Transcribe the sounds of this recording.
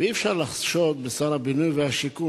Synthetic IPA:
eiːfʃaʁlaχʃot̪̚besaʁhabinujveaʃiku

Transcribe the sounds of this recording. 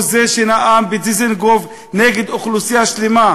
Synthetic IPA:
zeʃenaʔambed͡zizenɡov | neɡed̪oχlusijaʃlema

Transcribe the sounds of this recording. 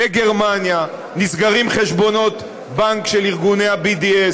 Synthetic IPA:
eɡeʁmanja | nisɡaʁimχeʃbo̞no̞t̪ | baŋkʃeliʁɡune̞habid̪ie

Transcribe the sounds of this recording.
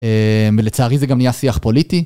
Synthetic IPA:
emvelet͡saːʁizeɡamnijasiaχpolit̪i

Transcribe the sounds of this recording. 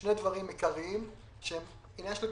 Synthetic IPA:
nedvaʁimekaʁiim | ʃeem | inaʃli

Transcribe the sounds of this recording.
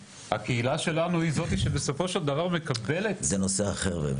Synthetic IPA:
ha̰ke̞ilaʃe̞lanuizo̞t̪iʃebe̞so̞fo̞ʃe̞ld̪avaʁme̞kabe̞le̞t̪zenoseaχeʁvḛ

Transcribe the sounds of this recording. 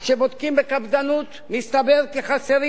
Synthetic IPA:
ʃebod̪kimbekabd̪anut̪mist̪abeʁkeχaseʁi

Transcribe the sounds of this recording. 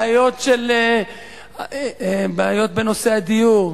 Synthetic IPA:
ajo̞tʃel | baajo̞t̪̚beno̞se̞ad̪ijuʁ

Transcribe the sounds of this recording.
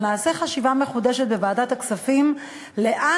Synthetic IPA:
maːse̞χaʃivame̞χude̞ʃet̚be̞vaːdataksafim | le̞ʔa

